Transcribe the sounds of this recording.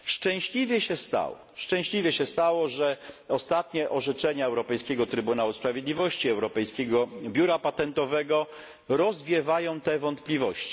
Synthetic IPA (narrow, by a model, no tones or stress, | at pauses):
ʂt͡ʂɛ̃w̃ɕlʲivʲjɛɕɛst̪a̰wɔ̰ | ʂt͡ʂɛ̃w̃ɕlʲivʲjɛɕɛst̪awɔʐɛɔst̪at̪ɲɛʔɔʐɛt͡ʂɛɲaɛwɾɔpɛjskʲɛɡɔt̪ɾɘbunawuspɾavʲjed̪lʲivɔɕt͡ɕiɛwɾɔpɛjskʲɛɡɔbʲjuɾapat̪ɛnt̪ɔvɛɡɔ | ɾɔzvʲjɛvajɔ̃w̃t̪ɛvɔnt̪plʲivɔɕt͡ɕi̥